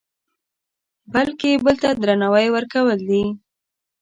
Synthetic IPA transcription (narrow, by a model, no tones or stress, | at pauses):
balkebəlt̪ad̪ɾanawajwəɾkawəld̪i